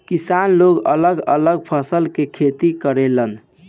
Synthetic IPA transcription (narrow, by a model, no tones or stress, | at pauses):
kisanloɡə̰ləɡə̰ləɡ̚pʰəsəlkekʰet̪ikəɾelən